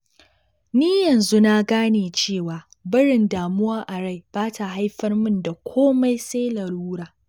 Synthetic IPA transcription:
niː˦jɐ˨nzu˦na˦ɡaː˦neː˨t͡ʃeː˦˨waː˨ | bɪ˦ɽɪ˨ndaː˨mʊ˦waː˦ʔa˨ɽa˦˨jb̥aː˦tʰa˨ɦa˦jɸɐ˦rmʊ˦nda˨kʷʰoː˦ma˦jseː˦lɐ˨ɽuː˦ɽaː˨

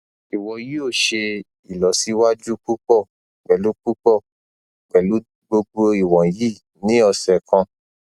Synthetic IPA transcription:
i˨wɔ̃˨ji˨˦o˦˨ʃe˧ | i˨lɔ˨˦si˨˦wa˦d͡ʒu˦k͡pu˦k͡pɔ˦˨ | k͡pɛ˨lu˦k͡pu˦k͡pɔ˦˨ | k͡pɛ˨lu˨˦ | ɡ͡bo˧ɡ͡bo˧i˨wɔ̃˨ji˦˨ | nĩ˨˦ɔ˧sɛ˨kã˧

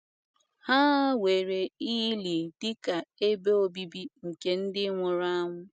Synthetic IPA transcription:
ha˦we˨ɾe˨i˦i˦li˨dɪ˦ka˨e˦be˦o˦bi˦bi˦ŋ̩˨ke˨n̩˦dɪ˦ŋʷʊ˨ɾa˦ŋʷʊ˦

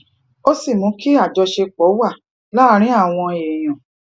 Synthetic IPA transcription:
o˦si˦˨mũ˨˦ki˦a˦˨d͡ʒɔ˧ʃe˧k͡pɔ˨˦wa˦˨ | la˦ɾ̃ĩ˦a˦˨w̃ɔ̃˧e˨j̃ɔ̃˨

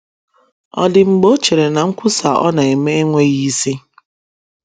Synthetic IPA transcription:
ɔ̰˨dɪ˨ŋ͡m̩˨ɡ͡bo˦t͡ʃe˨ɾe˨na˨ŋ̩˦kʷʊ˦sa˨ʔɔ̰˦na˨e˨me˦e˦ŋʷe˦ɣi˦si˦

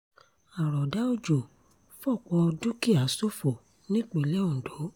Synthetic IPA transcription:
a˨ɾɔ˨da˨˦o˦˨d͡ʒo˨ | fɔ˦˨k͡pɔ˧du˦ki˦˨a˨˦so˦fo˨ | nĩ˦k͡pe˨lɛ˦õ˦˨do˨˦

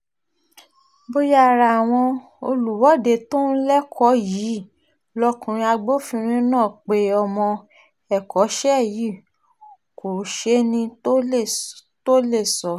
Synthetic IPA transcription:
bo˧ja˦˨ɾa˨w̃ɔ̃˧ | o˧lu˨wɔ˨˦˨de˨to˦n̩˦lɛ˦kʰɔ˨˦ji˨˦ | lɔ˦kũ˧ɾ̃ĩ˧a˧ɡ͡bo˦fĩ˧ɾ̃ĩ˦nãː˦˨k͡pe˧˦ɔ˧mɔ̃˧ | ɛ˦˨kɔ˨˦ʃɛ˦˨ji˦˨ | ko˨ʃe˦nĩ˧˦˨ | to˦le˦˨sɔ˨˦

